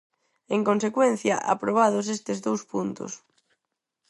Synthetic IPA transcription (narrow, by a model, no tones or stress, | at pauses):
eŋkonsekwenθjɐ̰ʔa̰pɾoβ̞að̞os̬est̪ezðowspunt̪ʊ̰s